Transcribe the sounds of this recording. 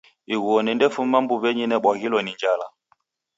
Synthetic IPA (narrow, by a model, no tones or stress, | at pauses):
iwɔnɛndɛfumambuvɛɲinɛɓaɣilɔniɲd͡ʒala